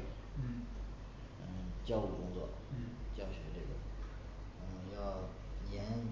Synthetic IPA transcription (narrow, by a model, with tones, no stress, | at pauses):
ə˧˩t͡ɕjɑ˥˧ʊɻu˥˩kʊ˥ŋt͡swɔ̰˥˩˥t͡ɕjɑ˥˩ʊɕɥɛ˧˥ʈ͡ʂɤ˥˩ɡə˩˧˥ | m˧jɑ˥˩ʊ | jɛ˧˥n